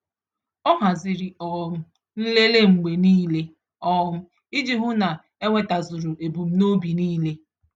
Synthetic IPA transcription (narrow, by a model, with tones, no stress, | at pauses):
ɔ˦ɦa˨zɪ˨ɾi˨ɔ˦m̩˦ | n̩˦le˦le˦ŋ͡m̩˨ɡ͡be˨niː˦le˦ | ɔ˦m̩˦ | i˦d͡ʒi˦ɦʊ˦na˨ | e˦ŋʷe˦ta˨zʊ˨ɾu˨e˨bu˨m̩˦no˦bi˨niː˦le˦